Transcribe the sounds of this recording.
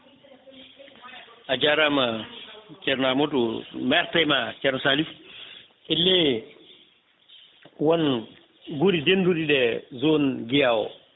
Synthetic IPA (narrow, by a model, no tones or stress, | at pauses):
ʔad͡ʒaɾama | t͡ʃɛɾnamɔtɔmɛɾtajmat͡ʃɛɾnsalif | ʔɛlːɛ | wɔn | ɡuɾidendudiɗɛzonɡijaːwɔ̰